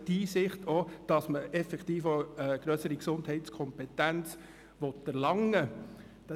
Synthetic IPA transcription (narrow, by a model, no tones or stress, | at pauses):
diːsɪχtod̥ɑsməɛfɛkt̪iːfoəɡ̥ɾœsəɾiksʊndhɛɪtskʰɔmpɛtænt͡s | ʋɔtːɛɾlɑŋːə | d̥ɑ